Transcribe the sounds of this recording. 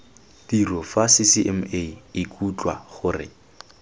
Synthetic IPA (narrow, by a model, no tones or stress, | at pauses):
tirɔfasisiʔɛmeɪkʼut͡ɬʼwa̰χʊrɪ̰